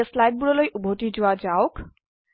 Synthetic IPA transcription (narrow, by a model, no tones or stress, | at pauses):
əslajɖ̚buɽɔlojʔubʱoʈid͡ʒuwad͡ʒaok